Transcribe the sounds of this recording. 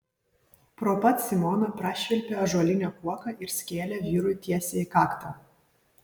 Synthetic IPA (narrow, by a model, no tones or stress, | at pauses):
pɾoːpɐt̪sʲɪmɔnɐpɾɑːʃʲʋʲɛlʲpʲeɐʒuɔlʲɪnʲɛkuɔkɐʔɪɾsʲkʲeːlʲɛʋʲiːɾʊjt̪ʲiɛsʲeɪkɑːkt̪ɐ